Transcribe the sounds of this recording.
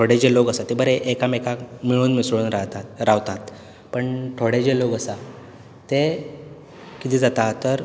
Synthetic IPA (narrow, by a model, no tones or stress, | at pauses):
ʈʰoɽed͡ʑeloɡəsat̪ebəɾeʔekamekamiɭuːnmisɭuːnɾat̪aɾaʋt̪at̪ | pəɳʈʰoɽed͡ʑeloɡəsa | t̪e | kit̪iːd͡zat̪at̪ːəɾ